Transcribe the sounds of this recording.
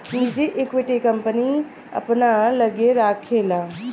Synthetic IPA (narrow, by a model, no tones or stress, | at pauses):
nid͡ʒiʔekʋɪʈikəmpəni | ɐ̰pnaləɡeɾaːkʰːeːlaː